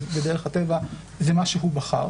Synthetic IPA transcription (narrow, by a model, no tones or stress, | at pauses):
bedeʁeχhateva | zemaʃeɦubaχa̰ʁ